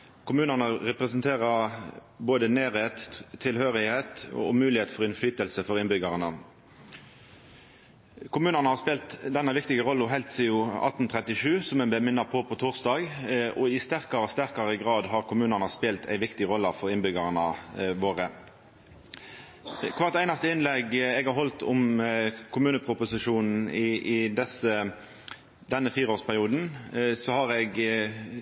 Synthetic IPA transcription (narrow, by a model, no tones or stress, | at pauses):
kʰʊmʉːnənəʁɛpʁɛsnt̪ʰeːʁə | boːd̪əneːɾeːt̪ʰːɪlhøːʁɪheːt̪ɔ̰ʊmʉːlɪheːt̪fɔʁɪnflyːt̪əlsəfɔʁɪnbʏɡɑʁənə | kʰʊmʉːnənəhɑʁspeːlt̪d̪ɛnːɑʋɪkt̪ɪɡəʁɔlːɔɦɛɪlt̪siːʊɑ̰t̪ːn̩t̪ʰʁɛt̪ɪʃʉːsɔmɛnblɛmɪnːɑpʰɔpʰɔt̪ʰʊːʁsd̪ɑːɡɔɪst̪æʁkɑɾɔst̪æʁkɑɾəɡɾɑːd̪ɦɑʁkʰʊmʉːnəʁnəspeːlt̪ʰæ̰ɪʋɪkt̪ɪʁɔlːəfɔɾɪnbʏɡɑʁnə̰ʋoːʁə | kʰʋɑːʁt̪æɪnɑst̪əɪnlɛɡɛɡhɑɾɦɔlt̪ʰɔmkʰʊmʉːnəpʰɾʊpʊsɪʂuːnn̩ɪɪd̪ɛsə | d̪ɛnːəfiːɾʁoːspʰæʁɪuːd̪n̩sɔhɑɾɛɡ